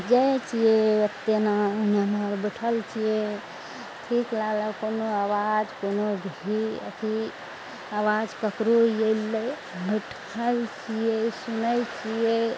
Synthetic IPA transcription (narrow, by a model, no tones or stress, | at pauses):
d͡ʒajt͡ʃijeət̪ːenaunanəɾbəʈʰəlt͡ʃʰije | ʈʰiklaləkonoawad͡ʒkonobʱiə̰t̪ʰi | awad͡ʒkəkɾojelːə | bəʈʰ | əlt͡ʃʰijesunəjt͡ʃʰije